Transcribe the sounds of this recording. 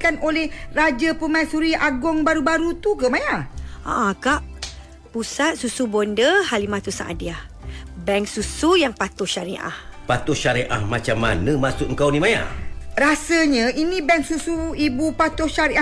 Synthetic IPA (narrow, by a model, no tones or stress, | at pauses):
kanolɛhrad͡ʒəpəmãsuɾiʔaɡɔŋbaɾubaɾut̪ukəmajaa̰ʔãkaʔ | pusat̪̚susubondəhalimãt̪usa̰ʔa̰diah | bɛŋksusujaŋpat̪ʊʃaɾiʔa̰hpat̪ʊʃaɾeʔa̰hmat͡ʃamːa̰nəmasʊk̚əŋ̩kawnimaja̰rasəɲə̃inĩbɛŋksusuibupat̪ʊʃaɾiʔa